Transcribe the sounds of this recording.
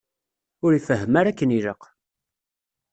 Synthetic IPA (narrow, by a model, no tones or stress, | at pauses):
ʊɾifəɦːəmaɾækːəniləq